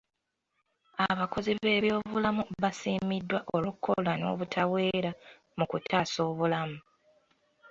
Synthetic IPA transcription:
aβako̞ziβe̞ːβjo̞ːβulamuβasiːmidːwaʔo̞lukʰːo̞lano̞̰ːβutʰawe̞ːɾa | mukutʰaːso̞ːβulamu

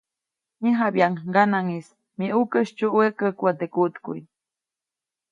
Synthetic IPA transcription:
ɲiɦabjaŋɡanaŋis | miʔukəʃt͡ʃuʔwekəkuat̪ekut̪kuj

